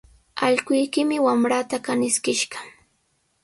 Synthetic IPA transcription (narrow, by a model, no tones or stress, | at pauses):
a̰ʎɢʊjkɪmɪwamɾat̪akanɪskɪʃɢɑ̥